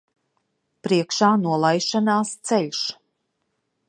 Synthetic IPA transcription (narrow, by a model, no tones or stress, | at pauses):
pɾiɛkʃaːnuɔlˠajʃanaːst̪sɛlʲʃ